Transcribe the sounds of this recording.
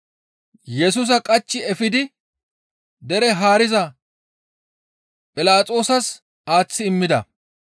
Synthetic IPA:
jɛs̬uːs̬ɐkʼɐt͡ʃːɪɛfɪd̪ɪ | d̪ɛɾɛɦaːɾɪzɐ | pʼɪlaːt͡sʼo̞ːsɐs | aːt͡sːɪɪmːɪd̪ɐ̰

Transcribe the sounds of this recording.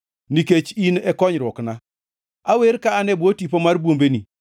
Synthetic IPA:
niket͡ʃinɛkɔɲɾokna | aweɾkaːnebotipomaɾbuombeni

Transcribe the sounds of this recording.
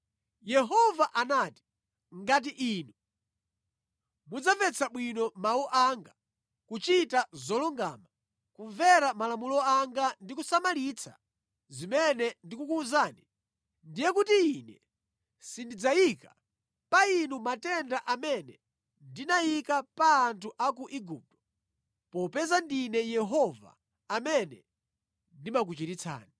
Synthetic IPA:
jɛɦɔvaʔanati̥ | ŋɡat̬iʔiːnu | mud͡zapɛt͡sʰaɓwinɔmauʔaŋɡa | kut͡ʃitazɔluŋɡa̰ːma | kuɱvɛɾamalamulɔaŋɡandikusamalit͡sʰa̰ | zimɛnɛndikukuzaːni | ndijɛkutiinɛ | sindid͡zajika | painumatɛndaʔamɛnɛ | ndinajikapaːntʰuʔak̬uʔiɡup̚tɔ̥ | pɔpɛzandinɛjɛɦɔva̰ː | mɛnɛ | ndimak̬ut͡ʃitit͡sʰa̰ːni

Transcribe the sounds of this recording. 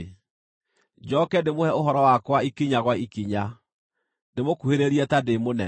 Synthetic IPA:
d͡ʑɔkɛndemohɛoɦɔɾɔwakwaikiɲaɣwaikiɲa | demokuheɾeɾiɛtademonɛ̰

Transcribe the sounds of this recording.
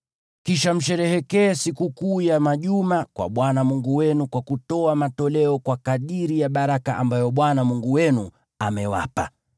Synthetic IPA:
kiʃam̩ʃɛɾɛhɛkɛːsikukuːjamaʄumakwa̰ɓwanamuŋɡuwɛnukwakutɔamatɔlɛɔkwakaɗiɾijaɓaɾakaʔambajɔɓwanamuŋɡuwɛnu | amɛwa̰pa

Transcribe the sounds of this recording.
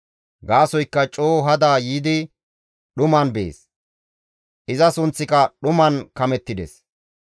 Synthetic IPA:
ɡaːsɔjkːɐt͡ʃʼoːɦɐd̪aːjiːd̪ɪ | ɗʊmɐnbḛːs | ʔɪzɐsʊnt͡sːɪkɐɗʊmɐnkɐmɛt̪ːɪd̪ɛ̰s

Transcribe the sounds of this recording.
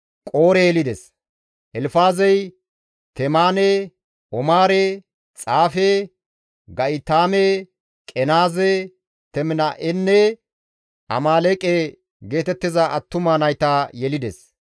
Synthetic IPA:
kʼo̞ːɾɛjɛlɪd̪ɛs | ʔɛlfaːzɛj | t̪ɛmaːne | ʔɔmaːɾe | t͡sʼaːfe | ɡɐʔɪt̪aːme | kʼɛnaːzɛ | t̪ɛmɪnɐʔɛnːɛ | ɐ̰maːleːkʼe | ɡe̞ːt̪ɛt̪ːɪzɐʔɐt̪ːʊmaːnɐjt̪ajɛlɪd̪ɛs

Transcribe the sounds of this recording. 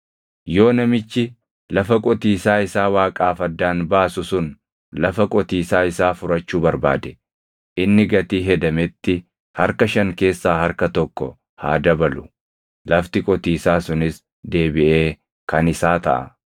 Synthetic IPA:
jo̞ːnɐmɪt͡ʃːɪ | lɐfɐkʼɔt̪iːsaːɪsaːwaːkʼaːfɐd̪ːaːnbaːsʊsʊn | lɐfɐkʼɔt̪iːsaːɪsaːfʊɾɐt͡ʃːuːbɐɾba̰ːd̪ɛ̥ | ʔɪnːɪɡɐt̪iːɦɛd̪ɐmɛt̪ːɪ | hɐɾkɐʃɐŋke̞ːsːaːɦɐɾkɐt̪ɔkːɔ̰ | ha̰ːd̪ɐbɐlʊ | lɐft̪ɪkʼɔt̪iːsaːsʊnɪs | d̪e̞ːbɪʔe̞ː | kɐnɪsaːt̪ɐ̰ʔɐ̰

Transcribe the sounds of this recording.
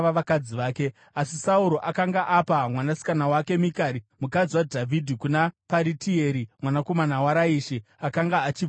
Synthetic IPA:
ʋaʋakad͡ziʋaːke̞ | asisauɾo̞ʔakaŋɡaʔapamwanasi̥kanawake̞mikaɾimukad͡ziwadʱavʱidʱikunapaɾitieɾimwanako̞manawaɾaiːʃiakaŋɡaːt͡ʃi

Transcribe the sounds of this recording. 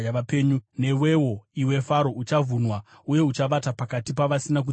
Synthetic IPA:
apeːɲune̞we̞wo̞iwe̞faɾo̞ut͡ʃavʱunwa | uje̞ut͡ʃaʋatapakatipaʋasinak̬u

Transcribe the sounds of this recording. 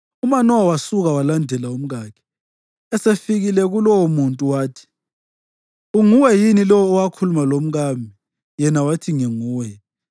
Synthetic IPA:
umanɔwawasuɣawalandʱɛlaum̩ɣaːkʰɛ̥ | ɛsefiɣilɛɣulɔwmuntʼuwaːtʰi̥ | uŋuwɛjinilɔwɔːwakʰulumalom̩ɣambʱi | jɛnawatʰiŋɛŋuːwɛ

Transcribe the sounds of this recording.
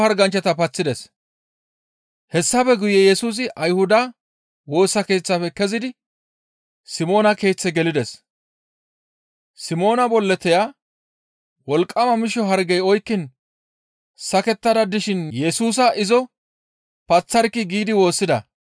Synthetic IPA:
ɐɾɡɐnt͡ʃːɐt̪ɐpɐt͡sːɪd̪ɛs | hɛsːɐfɛɡʊjɛjɛsuːs̬ɪʔɐjhʊd̪ɐ | wo̞ːsːɐke̞ːt͡sːɐfɛkɛzɪd̪ɪ | sɪmo̞ːnɐke̞ːt͡sːɛɡɛlɪd̪ɛs | sɪmo̞ːnɐbɔlːɛt̪ɛja | wɔlkʼːɐmɐmɪʃɔɦɐɾɡɛjɔjkːɪn | sɐkɛt̪ːɐd̪ɐd̪ɪʃɪnjɛsuːs̬ɐʔɪzɔ | pɐt͡sːɐɾkːɪɡiːd̪ɪwo̞ːsːɪd̪ɐ̰

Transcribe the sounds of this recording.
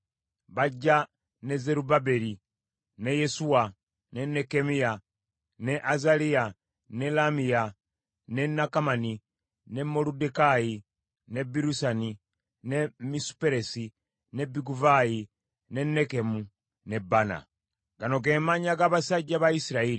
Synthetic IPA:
βaɟːa | ne̞ze̞ɾubabe̞ɾi | ne̞je̞suwa | ne̞ne̞kemija | ne̞ʔazalia | nelamija | ne̞nakamani | nemo̞ludekaji | ne̞biɾusani | nemisu̥pe̞ɾe̞si | ne̞biɡuvaji | ne̞nːe̞ke̞mu | ne̞bana̰ | ɡano̞ɡe̞maɲaɡaβasaɟːaβaisiɾaili

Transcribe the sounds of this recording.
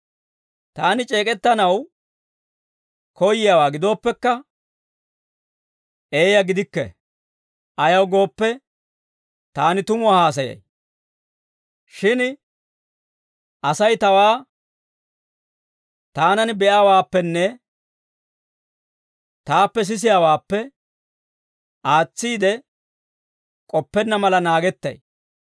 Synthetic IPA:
t̪aːnɪt͡ʃʼe̞ːkʼɛt̪ːɐnɐw | kʰɔjɪjaːwaːɡɪd̪o̞ːpːɛkːɐ | ʔe̞ːjɐɡɪd̪ɪkːɛ̰ | ʔɐjɐwɡo̞ːpːɛ | t̪aːnɪt̪ʊmʊahaːs̬ɐjɐ̰j | ʃɪn | ʔɐsɐjt̪ɐwaː | t̪aːnɐnbɛʔaːwaːpːɛnːɛ | t̪aːpːɛs̬ɪs̬ɪjaːwaːpːɛ | ʔaːt͡sːiːd̪ɛ | kʼɔpːɛnːɐmɐlɐnaːɡɛt̪ːɐ̰j

